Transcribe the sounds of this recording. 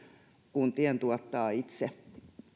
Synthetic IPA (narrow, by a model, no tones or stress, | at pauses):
kunt̪iɛnt̪uɔt̪ːɑːit̪se